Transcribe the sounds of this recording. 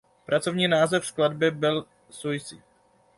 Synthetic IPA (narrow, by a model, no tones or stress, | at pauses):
pɾʔat͡so̞vɲiːnaːzɛfskladbɪbɪl | sujsḭ